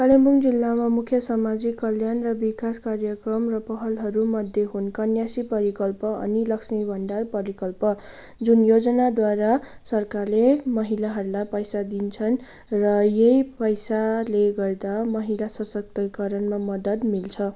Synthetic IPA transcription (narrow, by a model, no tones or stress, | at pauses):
kalembuŋd͡zilːamamukʰjʌsʌmad͡zikːʌljanrʌbikaskarjʌkrʌmrʌpʌɦʌlɦʌɾumʌd̪ʱjeɦunkʌnjasipʌɾikʌlpʌʌ̰nilʌksmibʱʌɳɖarpʌɾikʌlpʌ | d͡zunjod͡zʌnad̪waɾasʌrkarlemʌɦilaɦʌɾulajpʌjsad̪int͡sʰʌn | rʌjejpʌjsaleɡʌrd̪amʌɦilasʌsʌk̚t̪ʌkʌɾʌnmamʌd̪ʌd̪milt͡sʰʌ